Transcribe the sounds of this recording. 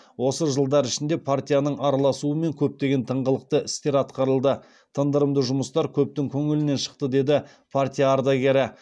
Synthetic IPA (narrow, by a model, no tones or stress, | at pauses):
wo̞səʒəlˠd̪ɑɾɪʃɪnd̪e̞pʰart̪ʲijanəɴʔɑɾɑlˠɑsuəme̞ŋkʲʰɵp̚t̪e̞ɡʲe̞nt̪ʰəɴʁəlˠəq̚t̪əʔɪst̪e̞ɾɑt̪qɑɾəlˠd̪ə | t̪ʰənd̪əɾəmd̪əʒʊməst̪ɑɾkʲʰɵp̚t̪ɪŋkʲʰɵŋɪlɪne̞nʃə̥q̚t̪əd̪e̞d̪ɪ | pʰart̪ʲijaːɾd̪aɡʲe̞ɾɪ